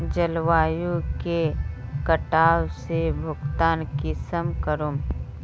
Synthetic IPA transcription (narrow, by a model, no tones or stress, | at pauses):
d͡ʒɐlʋaːjukekəʈaːwsebʱʊɡt̪aːnkɪsəmkəɾum